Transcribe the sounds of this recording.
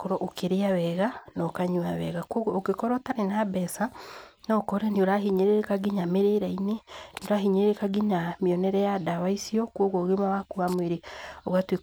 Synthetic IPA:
koɾɔʔokeɾeawɛɣanɔkaɲuaβɛ̰ɣakwoɣɔokekɔɾɔtaɾenabɛsa | nɔkɔɾɛnioɾaɦiɲeɾeɾekaɡiɲameɾeɾainenioɾaɦiɲeɾeɾekaɡiɲamiɔnɛɾɛjadaβaisiɔkwoɣɔɣemawakuβamweɾeoɣatwe

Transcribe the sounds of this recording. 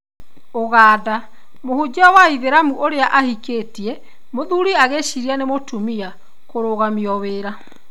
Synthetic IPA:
oɣaːda | mohud͡ʑɔwaiðeɾamuʔoɾeaʔahikeːtiɛ | moðuɾiaɣeʃiɾianemotumia | koɾoːɣamiɔweːɾa

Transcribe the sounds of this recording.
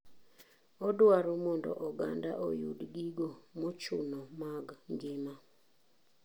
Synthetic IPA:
ɔdwaɾɔmɔndɔ̰ʔɔɡa̰ndaʔɔjṵdɡiɡomɔt͡ʃunɔmaɡŋɡɪma

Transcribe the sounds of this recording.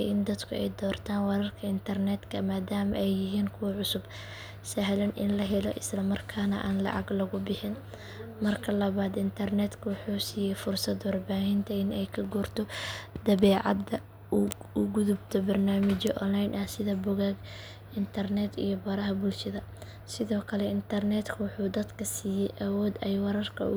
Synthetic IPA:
ʔɪnd̪ɐd̪kʰʊɛ̰jd̪ɔːrt̪ʰaːnwɐɾɐrkʰɐɪnt̪ʰɐrnɛːd̪kʰɐmaːd̪aːmɐʔɛjːɪɦiːŋkʰʊwɐʕʊsʊb | sɐɦlɐnʔɪ̰nlɐɦɛlɔ̰ʔɪslɐmɐrkʰaːnɐ̰ʔaːnlɑ̰ʕɑ̰ɡlɐɣʊbɪħɪn | mɐrkʰɐlɐβaːd̪ɪnt̪ʰɐrnɛd̪kʰɐwʊħuːsiːjɛjfʊrsɐd̪wɑrbaːɦɪnt̪ʰɐɪnɛjkʰɐɡɔːrt̪ʰɔd̪̥ɐβɛːʕɑ̰d̪ɐ | ʊɡʊðʊbt̪ʰɔbɐrnaːmɪt͡ʃɔʔɔnlajnʔɐsɪðɐbʊɣaːɡ | ɪnt̪ʰɐrnɛːd̪ḭjɔbɐɾɐɦɐbʊlʃɐðɐ | sɪðɔːkʰɐlɛɪnt̪ʰɐrnɛd̪kʰɐwɑħuːd̪ɐd̪kʰɐsiːjɛjʔɐwɔːd̪ɛjwɑɾɐrkʰɐ̰ʊ̰

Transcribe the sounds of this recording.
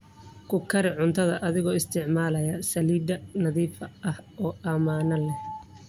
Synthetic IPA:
kʰʊkʰɐɾɪʕʊnt̪ʰɐðɐʔɐðɪɣɔːɪst̪ʰɪʕmaːlɐjɐsɐliːd̪ɐnɐðiːfɐʔɐhʔɔːʔɐmaːnɐlɛ

